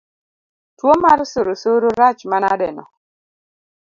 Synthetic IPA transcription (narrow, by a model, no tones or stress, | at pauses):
twomaɾsoɾosoɾoɾat͡ʃmanadɛ̰nɔ̰